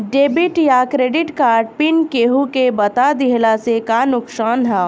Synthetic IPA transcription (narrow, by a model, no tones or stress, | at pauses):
ɖeːbɪʈjakɾeːɖɪʈkaːɾɖ̚pɪnkeːɦukebɐt̪ad̪ɪɦlasekanʊksaːnɦaː